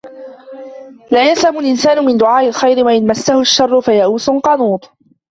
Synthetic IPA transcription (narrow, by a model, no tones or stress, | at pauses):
laːjashamʊlʔɪnsaːnʊmɪnd̪ʊʕaːʔɪlxajɾɪwaʔɪnmasːahʊʃːɑrˤːʊfajaʔuːsʊnqɑnuːt̪ˤ